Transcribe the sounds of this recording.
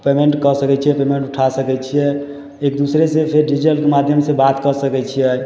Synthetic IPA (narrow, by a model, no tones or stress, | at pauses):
pemeɳʈkəsəkɛt͡ʃʰijɛpemeɳʈuʈʰasəkɛt͡ʃʰijɛ | ek̚d̪usɾesẽpʰeɾɖid͡ʒəlkemad̪ʱjəmsebat̪kəsəkɛt͡ʃʰijɛ